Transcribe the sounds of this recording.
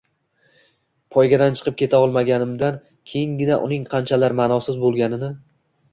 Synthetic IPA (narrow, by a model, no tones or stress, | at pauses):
pʰɒjɡʲad̪ant͡ʃʰɨ̥qʰɨp̚kʲʰe̞t̪ʰaɒlˠmaɡʲanɪmd̪an | kʲʰe̞jɪŋɡʲɪnaʔʊ̰nɪŋqʰɑnt͡ʃʰalaɾmaːnɒwsɪzbolˠɡʲanɪnɪ